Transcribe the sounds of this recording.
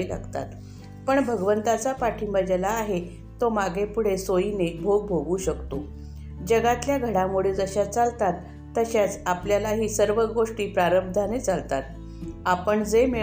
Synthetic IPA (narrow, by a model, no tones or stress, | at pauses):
la̰ɡt̪a̰t̪ | pəɳbʱəɡʋənt̪at͡sapaʈʰiːmbəd͡ʑalaːɦe | t̪omaɡepuɽ̤esojinebʱoɡ̚bʱoɡuːɕəkt̪o | d͡ʑəɡat̪ljaɡʱəɽamuɽiːd͡zəɕat͡salt̪at̪ː | əɕat͡sapljalaɦiːsəɾʋəɡoʂʈiːpɾaɾəb̚d̪ʱanet͡salt̪at̪̚ | apəɳd͡zeme